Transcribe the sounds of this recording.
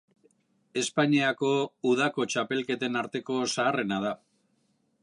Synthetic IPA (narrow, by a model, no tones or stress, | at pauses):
e̞spaɲiako̞uðako̞t͡ʃape̞lke̞t̪e̞naɾt̪e̞ko̞saːre̞nað̞a